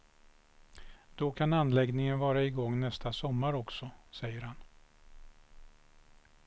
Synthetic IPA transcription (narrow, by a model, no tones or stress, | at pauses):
d̪̥ɔkʰananːlɛɡnɪŋənvɑːɾaɪɡɔŋːnɛst̪asɔmːaɾɔksɔsɛjːəɾhan